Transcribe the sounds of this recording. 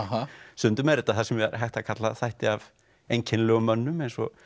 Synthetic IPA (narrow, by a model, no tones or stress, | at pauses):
ɦsʏnt̪ʏmɛɾɛt̪ːaθasɛmvɪðɾɦajht̪akʰat̪laθajht̪ɪav | ejɲcʰɪnlœːɣʏmːœnːʏmejnsɔ̰